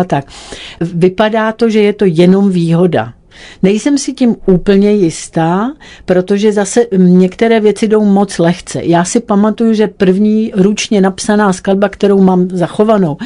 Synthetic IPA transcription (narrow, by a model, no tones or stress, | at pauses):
at̪ak̚ | vɪpadaːt̪o̞ʒɛjɛt̪o̞jɛno̞mviːɦo̞da̰ | nɛjsɛmsɪcɪmuːpl̩ɲɛjɪst̪aːpɾo̞t̪o̞ʒɛzasɛɲɛkt̪ɛɾɛːvjɛt͡sɪdo̞wmo̞t͡slɛxt͡sɛ̰jaːsɪpamat̪ujuʒɛpr̩vɲiːɾut͡ʃɲɛnapsanaːsklad̚bakt̪ɛɾo̞wmaːmzaxo̞vano̞w